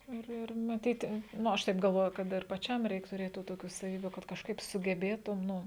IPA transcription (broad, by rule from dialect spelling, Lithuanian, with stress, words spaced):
ˈɪr ˈɪr mɐˈtʲiːtʲɪ ˈnʊ ˈɐʃ ˈtɐɪp ɡɐlˠˈʋoːjʊ ˈkɐt ɪr pɐˈt͡ʃʲɛm ˈrʲɛɪk tʊˈrʲeːt tuː ˈtoːkʲuː sɐˈʋʲiːbʲuː kɐt kɐʃˈkɐɪp sʊɡʲɛˈbʲeːtʊm ˈnʊ